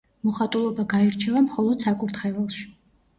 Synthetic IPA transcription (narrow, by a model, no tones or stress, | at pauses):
mɔχat̪ʼulˠɔbaɡaɛɾt͡ʃʰɛvamχɔlˠɔd̪̥sakʼuɾt̪ʰχɛvɛlˠʃi̥